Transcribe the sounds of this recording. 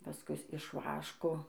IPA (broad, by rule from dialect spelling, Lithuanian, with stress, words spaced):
pɐˈskʊs ɪʃ ˈʋɑːʃkoː